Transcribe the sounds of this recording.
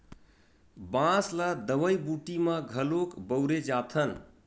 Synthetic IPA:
bãsləd̪əʋəjbuʈiməɡʱəlokbəwɾed͡ʒat̪ʰən

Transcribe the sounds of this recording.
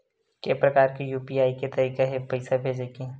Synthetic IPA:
kepɾɐkaːɾkijuːpiaːiket̪ɐɾiːkeɦepɐɪsabʱeːd͡ʒeːke

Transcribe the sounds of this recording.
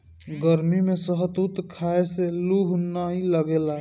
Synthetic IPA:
ɡəɾmimẽsəɦət̪ut̪kʰaeseluɦnaɦiləɡela

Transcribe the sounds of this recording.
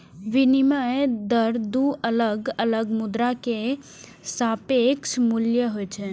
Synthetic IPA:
ʋɪnimaed̪əɾd̪uələɡələɡmʊd̪ɾake | sapeksmʊljəɦojt͡ʃʰe

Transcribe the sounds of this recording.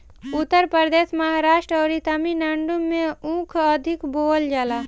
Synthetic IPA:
ʊt̪ːəɾpəɾd̪eːsmɐɦaɾaːʃʈɾəɾit̪ɐminɐɳɖumːẽũːkʰəd̪ʱɪkboːld͡ʒalaː

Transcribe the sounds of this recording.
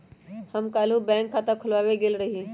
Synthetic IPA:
həmkaːlubɛ̃ːŋkʰːat̪ɐkʰʊlʋaːweɡelɾəɦi

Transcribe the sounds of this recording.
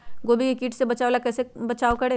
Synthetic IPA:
ɡoːbʱikekiːʈʰsebɐt͡ʃaːʋlakɛːsebɐt͡ʃaːokɐɽeː

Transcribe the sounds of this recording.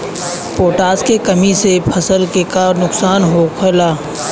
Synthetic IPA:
poːʈaːskekəmisepʰɐsəlkekanʊksaːnɦoːkʰəlaː

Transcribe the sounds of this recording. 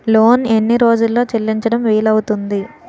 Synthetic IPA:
lo̞ːne̞nːiɾo̞ːd͡ʒulːo̞ːt͡ʃelːiɲt͡ʃɐɽɐmʋiːlɐwut̪und̪i

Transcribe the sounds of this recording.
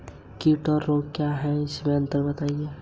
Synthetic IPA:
kiʈɔɾːokkːjaɦɛɪsmẽə̃nt̪əɾbɐt̪aːije

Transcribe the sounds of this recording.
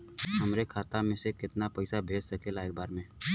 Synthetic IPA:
ɦɐmɾekʰaːt̪amẽsekɪt̪napɛɪsabʱeːd͡ʒsɐkelaːeːk̚baːɾmẽ

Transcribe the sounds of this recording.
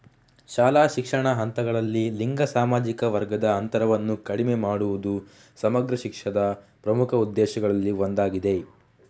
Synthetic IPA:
ʃaːlaːʃikʂɐɳɐɦɐnt̪ɐɡɐɭɐlːiliŋɡɐsaːmaːd͡ʒikɐʋɐɾɡɐd̪ɐːnt̪ɐɾɐʋɐnːukɐɽimemaːɽuʋud̪u | sɐmɐɡɾɐʃikʂɐd̪ɐpɾɐmukʰɐud̪ːɛːʃɐɡɐɭɐlːiʋond̪aːɡid̪e̞

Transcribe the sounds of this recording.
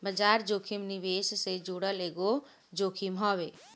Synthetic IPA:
bəd͡ʒaːɾd͡ʒoːkʰimniʋeːssed͡ʒuːɽəleːɡo | d͡ʒoːkʰimɦɔːweː

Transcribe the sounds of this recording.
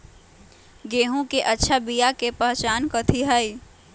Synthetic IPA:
ɡeːɦõkeʔɐtːʃʰabijakepəɦt͡ʃaːnkot̪ʰiɦai

